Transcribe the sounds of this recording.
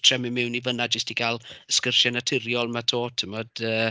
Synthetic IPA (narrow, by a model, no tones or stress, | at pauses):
tʰrɛmɪmɪwnivənadd͡ʒəstiɡalˠəskərʃɛnatʰɪrjɔlˠmatʰoːtʰəmɔd̥əː